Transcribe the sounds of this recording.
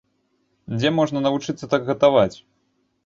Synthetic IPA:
d͡zʲɛmɔʐnɐnɐvut͡ʂɨt̪sːɐt̪aɡɣɐt̪avat͡sʲ

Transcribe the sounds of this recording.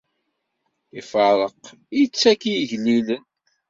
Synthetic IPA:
ifəɾˤəq | jit͡sːækijʝnilən

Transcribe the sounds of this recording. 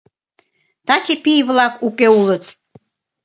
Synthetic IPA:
t̪ɑt͡ɕipijβlɑkukeulət̪

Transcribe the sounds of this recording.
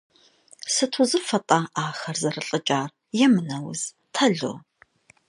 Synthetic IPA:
sɨtʰʊzɨfɐtʼaʔaːxɐrzɐrɨɬʼɨt͡ʃʼaːr | jɛmɨnɐwʊ̰z̥ | tʰɐɮo̰ː

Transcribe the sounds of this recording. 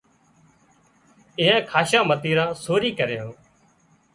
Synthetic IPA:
ɪ̃ɦãːkʰaːʃãːmət̪iːɾãːsoːɾiːkəɾejõː

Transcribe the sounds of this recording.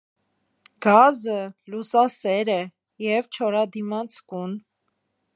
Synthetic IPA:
ɡ̥ɑzəlusɑsɛɾɛ | jɛvt͡ʃʰɔɾɑd̪imɑt͡sʰkun

